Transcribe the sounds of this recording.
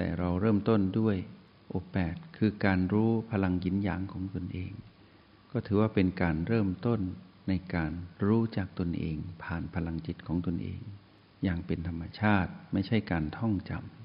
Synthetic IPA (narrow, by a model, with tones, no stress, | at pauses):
t̪ɛ̰ː˨˩ɾa˧wɾɤː˥˩mt̪o˥˩ndu˥˩əj | ʔoː˧pɛː˨˩t̪̚kʰɯː˧kaː˧nɾuː˦˥pʰa˧la˧ŋji˧˦˥njaː˨˦ŋkʰɔː˩˦ŋt̪o˧nʔḛː˧ŋ | kɔː˥˩t̪ʰɯː˩˦waː˥˩pe˧nkaː˧nɾɤː˥˩mt̪o˥˩nː | a˧jkaː˧nɾuː˦˥t͡ɕaː˨˩k̚t̪o˧nʔḛː˧ŋpʰaː˨˩npʰa˧la˧ŋt͡ɕi˨˩t̪̚kʰɔː˩˦ŋt̪o˧nʔḛː˧ŋ | jaː˧˩ŋpe˧nt̪ʰa˧mːa˧t͡ɕʰaː˥˩t̪̚ma˥˩jt͡ɕʰa˥˩jkaː˧nt̪ʰɔ˥˩ŋt͡ɕa̰˧m